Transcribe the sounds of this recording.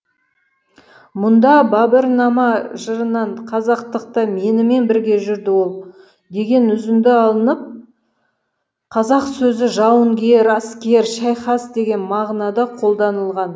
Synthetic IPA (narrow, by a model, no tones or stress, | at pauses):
mʊnd̪ɑbɑbəɾnɑmɑʒəɾənɑɴqʰɑzɑqt̪əq̚t̪ɑme̞nɪme̞nbɪɾɡʲe̞ʒʏɾd̪ɪwo̞lˠ | d̪e̞ɡʲe̞nʏzɪnd̪ɪɑlˠənəp̚ | qʰɑzɑqsɵzɪʒɑwəŋɡʲe̞ɾɑskʲe̞ɾʃɑjχɑsd̪e̞ɡʲe̞nmɑʁnɑd̪ɑqʰo̞lˠd̪ɑnəlˠʁɑn